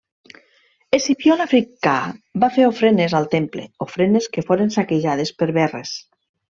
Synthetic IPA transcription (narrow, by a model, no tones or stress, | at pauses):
esipjolafɾikabafeɾofɾenezalˠt̪emplḛofɾeneskefoɾensakeʒað̞espəɾβɛres